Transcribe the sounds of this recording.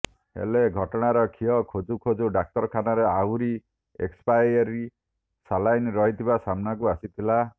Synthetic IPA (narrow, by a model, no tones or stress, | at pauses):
hḛleɡʱɔʈɔɽ̃aɾɔkʰiɔkʰod͡ʒukʰod͡ʒuɖak̚tɔɾɔkʰanɔɾeawɾi | ḛkspajɾɔɾi | salajnɾɔɦit̪ʰibasamnakuasit̪ʰila